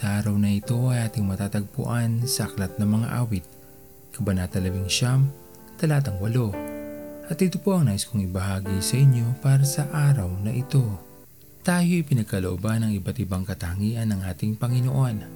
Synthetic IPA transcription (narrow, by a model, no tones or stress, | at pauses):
sɐʔaːɾɐwnɐɪt̪o̞ʔɐjʔaːt̪ɪŋmɐt̪aːt̪ɐɡ̚pʊ̰ʔansɐʔɐklɐt̪̚nɐŋmɐŋa̰ʔaːwɪt̪̚ | kɐbɐnat̪ɐlɐbɪŋʃam | t̪ɐlaːt̪ɐŋwɐlo̞ | ʔɐt̪ɪt̪opo̞ʔɐŋnaːʔɪskoŋɪbɐɦaːɡijsɐʔɪɲjo̞paːɾɐsɐʔaːɾɐwnɐʔɪt̪o̞ | t̪aːjo̞ʔɪpɪnɐɡ̚kɐloʔobanɐŋɪbat̪ɪbaŋkɐt̪ɐhŋiːʔɐnːɐŋʔaːt̪ɪŋpɐŋɪnoʔo̞n